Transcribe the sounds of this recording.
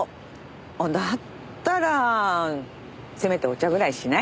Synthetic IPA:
od̪at̪ː | aɾa | se̞me̞t̪e̞o̞t͡ɕaɡɯ̟ɾaiɕina

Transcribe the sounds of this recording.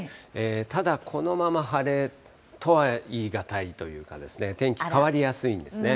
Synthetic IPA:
eːt̪ad̪akʰo̞no̞mamaɦaɾe̞ | t̪o̞βaiːɡat̪ait̪o̞jɯ̟ːka̰d̪e̞sɨne̞t̪ẽ̞ŋkʲi̥kaβaɾʲijasɨĩnd̪e̞sɨne̞

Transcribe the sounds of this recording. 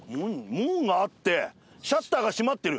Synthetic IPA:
mɯ̃ɲmɯ̃ŋɡaːt̪ːe̞ | ɕat̪ːaːɡaɕimat̪ːe̞ɾɯ̟

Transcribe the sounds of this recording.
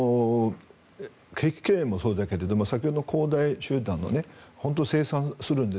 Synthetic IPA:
o | kʰe̞kʲi̥kẽmːo̞so̞ːd̪ake̞ɾe̞d̪o̞masakʲeod̪onkʰo̞ːd̪aiɕɨːd̪ãnːo̰ne̞hõ̞nt̪̬ose̞ːsãɰ̃sɨɾɯ̟̃nd̪e

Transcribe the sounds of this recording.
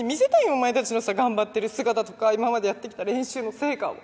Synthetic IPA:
mʲise̞t̪ainomaet̪at͡ɕino̞saɡãmbat̪ːe̞ɾɯ̟sɨɡat̪at̪o̞kaimamad̪e̞jat̪ːe̞kʲi̥t̪aɾẽ̞ɰ̃ɕɨːno̞se̞ːkao̰

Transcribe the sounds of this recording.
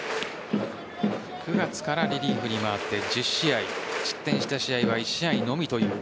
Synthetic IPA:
kʰɯ̟ɡat͡sɨ̥kaɾaɾʲiɾʲiːɸɯ̟ɲ̟imaβat̪ːe̞d͡ʑɨɕːiaid͡ʑi̥t̪ːẽ̞ɕi̥t̪aɕiaiβaiɕiaino̞mʲit̪o̞jɯ̟ː

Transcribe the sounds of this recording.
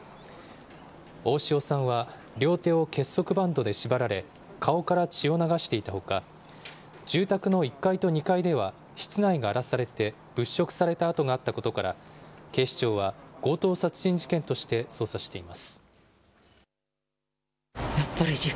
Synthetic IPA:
o̞ːɕio̞sãɰ̃βa | ɾʲjo̞ːt̪e̞ːo̞ke̞sːo̞kɯ̟bãnd̪o̞d̪e̞ɕibaɾaɾe̞ | kʰao̞kaɾat͡ɕio̞naɡaɕi̥t̪e̞it̪aho̞ka | d͡ʑɨːt̪akɯ̟no̞ikːait̪o̞ɲ̟ikaid̪e̞β̞a | ɕi̥t͡sɨnaiɡaːɾasaɾe̞t̪e̞ | b̥ɯ̟ɕːo̞kɯ̟̥saɾe̞t̪aːt̪o̞ɡaːt̪ːako̞t̪o̞kaɾa̰ke̞ːɕi̥t͡ɕo̞ːβaɡ̥o̞ːt̪o̞ːsat͡sɨ̥ʑ̥ĩɲ̟d͡ʑi̥kẽ̞nt̪o̞ɕi̥t̪e̞so̞ːsaɕi̥t̪e̞imasɨ̥ | japːaɾʲii

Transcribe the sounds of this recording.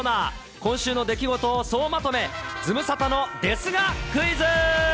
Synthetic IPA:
naː | kõ̞ɰ̃ɕɨːno̞d̪e̞kʲiɡo̞t̪o̞ːso̞ːmat̪o̞me̞ | d͡zɨmɯ̟sat̪ano̞d̪e̞sɨɡakɯ̟izɨ

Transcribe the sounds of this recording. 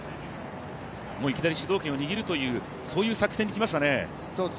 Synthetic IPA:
moːikʲid̪aɾʲiɕid̪o̞ːkʲẽ̞o̞ɲ̟iɡʲiɾɯ̟t̪o̞jɯ̟ː | so̞ːjɯ̟ːsakɯ̟̥sẽɲ̟ːikʲimaɕi̥t̪ane̞ | oː

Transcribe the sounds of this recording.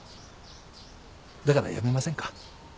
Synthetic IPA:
d̪akaɾa̰ja̰me̞masẽ̞ŋkḁ

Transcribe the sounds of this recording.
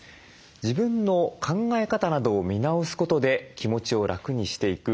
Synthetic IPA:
d͡ʑibɯ̟̃nːo̞kʰãŋɡae̞kat̪anad̪o̞ːmʲinaosɨ̥ko̞t̪o̞d̪e̞kʲimo̞t͡ɕio̞ɾakɯ̟ɲ̟iɕi̥t̪e̞ikɯ̟

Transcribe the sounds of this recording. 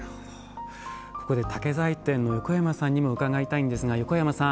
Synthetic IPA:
ko̞ko̞d̪e̞t̪ʰake̞zait̪ẽ̞nːo̞jo̞ko̞jamasãɲ̟ːimo̞ɯ̟kaɡait̪aĩnd̪e̞sɨɡajo̞ko̞jamasã

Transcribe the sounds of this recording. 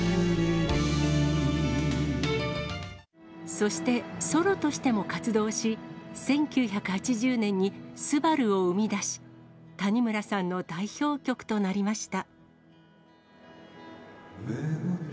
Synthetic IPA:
so̞ɕi̥t̪e̞so̞ɾo̞t̪o̞ɕi̥t̪e̞mo̞kat͡sɨd̪o̞ːɕisẽ̞ŋkʲɨːçakɯ̟̥hat͡ɕiʑɨːnẽ̞ɲ̟ːisɨbaɾɯ̟o̞ɯ̟mʲid̪aɕi̥t̪aɲ̟imɯ̟ɾasãnːo̞d̪aiço̞ːkʲo̞kɯ̟̥t̪o̞naɾʲimaɕi̥t̪a

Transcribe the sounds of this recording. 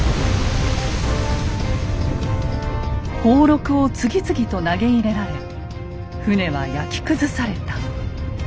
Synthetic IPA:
ho̞ːɾo̞kɯ̟o̞t͡sɨɡʲit͡sɨɡʲit̪o̞naɡe̞iɾe̞ɾaɾe | ɸɯne̞βajakʲi̥kɯ̟zɨsaɾe̞t̪ḁ

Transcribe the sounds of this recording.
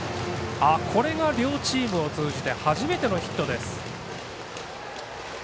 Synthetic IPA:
akʰo̞ɾe̞ɡaɾʲo̞ːt͡ɕiːmɯ̟o̞t͡sɨːʑit̪e̞haʑime̞t̪e̞no̞çi̥t̪ːo̞d̪e̞sɨ̥

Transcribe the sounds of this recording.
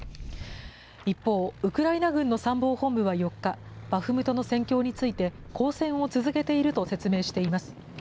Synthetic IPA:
ipːo̞ːɯ̟kɯ̟ɾainaɡɯ̟̃nːo̞sãmbo̞ːhõ̞mbɯ̟βajo̞kːab̥aɸɯ̟mɯ̟t̪o̞no̞sẽ̞ŋkʲo̞ːɲ̟it͡sɨit̪e̞kʰo̞ːsẽ̞ɰ̃o̞t͡sɨzɨke̞t̪e̞iɾɯ̟t̪o̞se̞t͡sɨme̞ːɕi̥t̪e̞imasɨ̥

